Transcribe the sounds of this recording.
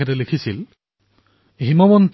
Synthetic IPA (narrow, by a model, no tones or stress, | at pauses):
ɛtɛlekʰisil | ɦimɔmɔnt